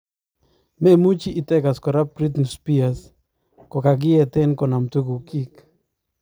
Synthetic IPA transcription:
me˦mu˦t͡ʃiː˦˨t̪ɛ˦ɡa˨skɔ˨ɾa˦pɾi˦t̪nspi˦as | kɔ˨ka˨ɡɪ˦ɛt̪ɛ˦nkɔ˨na˨mt̪u˦ɡu˨ki˦k

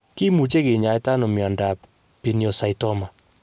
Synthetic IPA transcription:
ki˦mu˨t͡ʃe˦kɪ˨ɲa˨ɪ˦ta˦nɔ˨mja˨nda˨ | pi˨n˦ɔ˨sa˨jtɔ˦ma˨

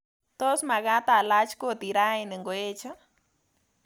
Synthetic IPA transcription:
t̪o˦sma˨ɣa˦t̪a˧˨la˦t͡ʃko˦t̪i˨ɾa˦i˧nɨ˨ŋɡo˨e˦t͡ʃa˦

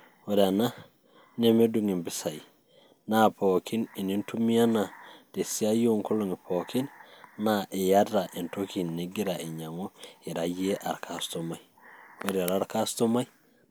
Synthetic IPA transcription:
weɾana˦ | ne˦me˦duŋi˨mbi˦sa˨ji | napokʰi˦ni˨ni˦ntu˦mi˦a˦na˨te˨si˦a˦jo˦ŋko˦loŋi˨pʰo˨ki˦nnaʔe˨jada˨ʔi˨ntoki˨nneɡi˦ɾa˨i˨ɲa˨ŋo˦i˨ɾaje˦ʔa̰˨ɾkʰastomaj | weɾi˨a˨ɾa˦ɾka˦sto˦ma˦j

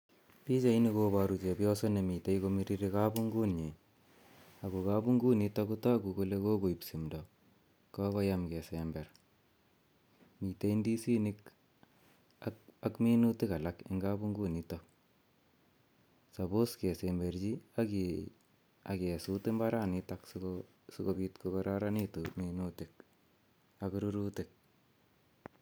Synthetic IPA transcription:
pi˦t͡ʃa˨i˦ni˦koba˨ɾu˨t͡ʃe˨pjɔ˦so˦ne˨mi˨te˦i˦ko˦mi˦ɾi˦ɾi˦ka˦bu˦ŋɡu˦nɲe˨ | a˨ku˨ka˦bu˦ŋɡu˦ni˦tɔ˦ku˦tɔ˦ku˨ko˦le˦ko˦ko˨i˨psi˨mdɔ˨ | ka˦kɔ˦ja˦mkɛ˨sembɛ˨r | mi˨te˦i˦ndi˦si˦ni˦k | aa˦kmi˦nu˦tɪ˦ka˨lakɪ̰˦ŋɡa˦bu˦ŋɡu˦˨nitɔ | sa˨bo˦ske˨sembɛ˨ɾd͡ʒi˦a˦ki | a˨ke˨su˦tɪ˦mba˦ɾa˦˨nɪtakso | sʊ˦ko˨bi˦tkokɔɾa˦ɾa˦ni˦tuminutɪ˨k | a˨kɾu˦ɾutɪ˨k̚

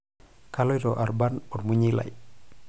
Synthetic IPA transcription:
ka˦lɔ˦jɾɔ˨ʔa˨ɾba˦nɔ˨ɾmu˦ɲi˦la̰˨i

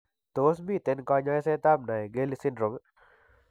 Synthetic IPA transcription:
t̪o˨sbi˨t̪e˨nkɔ˧ɲɔ˧jse˦t̪a˦mna˨jɡe˦li˧si˦ndɾo˨ŋ

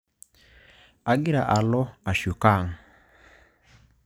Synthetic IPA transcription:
a˨ɡi˦ɾa˨ʔa˨lɔ˦a˨ʃu˨ka˦˨ŋ˨

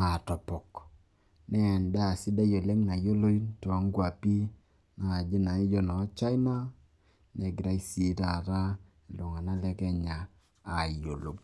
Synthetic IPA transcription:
a˨tɔ˨pɔ˨k | nɛ˦˨nda˦˨sɪ˦da˦jo˨le˦ŋna˨jo˦lo˦i˦tɔ˨˦ŋ˦ɡwa˨pi˦ | na˨d͡ʒi˦na˨i˦d͡ʒɔ˦nɔ˨˦t͡ʃa˦i˦ma˦ | nɛ˨ɡɪ˨ɾa˦i˦si˨˦ta˨ɾa˦ | e˨lo˨ŋa˨na˦lɛ˦kɛ˦ɲaː˨ | jo˨lo˨k

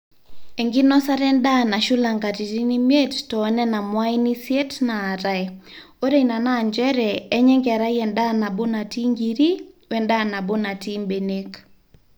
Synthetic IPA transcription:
e˨ŋɡi˦nɔ˦sa˦ɾɛ˦nda˦˨na˨ʃʊ˦la˨ŋɡa˨ti˨ti˦ni˦mje˦ttɔ˨˦nɛ˦na˨mwa˦i˦ni˦sje˦tnaː˨ɾa˨ɛ˨ | o˦ɾe˨na˨na˦˨ɲd͡ʒɛ˦ɾɛː˨˦ɲɛ˦ŋɡɛ˨a˨ɾa˦jɛ˨nda˦na˨bʊ˦na˨ti˦ŋɡi˨ɾi˦wɛ˨nda˦na˨bʊ˦na˨ti˦mbe˨ne˦k

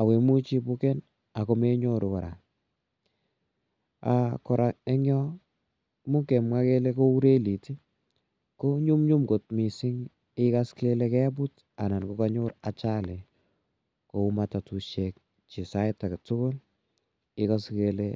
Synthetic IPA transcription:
a˨we˨mu˦t͡ʃi˦bu˦kɛ˦n | a˨ko˦me˦ɲo˦ɾʊ˨ka˨ɾa̰˨ | a̰kɔ˨ɾa˨e˦ŋjɔ˦ | mu˦kɛ˨mwa˦ke˦le˦ko˦u˦ɾe˦li˨ti˦ | ko˦ɲu˦mɲu˦mko˨t̚mi˨sɪ˦ŋ | ɪka˦ske˦lekɛ˦b̬u˦t | a̰˨na˨nkoka˦ɲo˦ɾat͡ʃa˦lɛ | ko˨umatatu˨ʃɛk̚ | t͡ʃi˨sa˦ɪta˨ktʊ˦kʊ˦l | ɪ˦ka˦skele

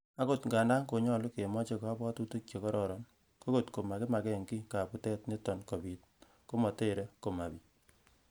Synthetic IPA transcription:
a˦ko˦˨tŋɡa˨nda˦ŋko˨ɲɔ˦˨lʊ˦ke˨mɔ˦t͡ʃe˦ka˦bɔ˦tu˦tu˦t͡ʃe˨kɔ˦ɾɔ˦ɾɔ˨n | ko˦ko˦tko˨ma˨ke˦ma˨kɛ˦ŋki˦ka˨pu˨tɛ˦tne˦tɔ˨nko˨bi˨t̚ | ko˦mɔ˨te˦˨ɾe˦ko˨ma˨bi˨

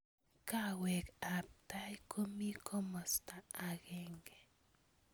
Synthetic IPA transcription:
kawe˨ka˨p̚t̪ajkʰo˦mi˦kʰo˦mo˨st̪a˨aɡeŋɡe̥˨

